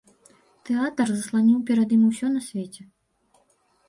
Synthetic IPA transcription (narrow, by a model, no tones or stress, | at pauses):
t̪ɛat̪ɐrzɐslˠanʲiwpʲɛɾɐd̪imusʲɔnɐsʲvʲet͡sʲɛ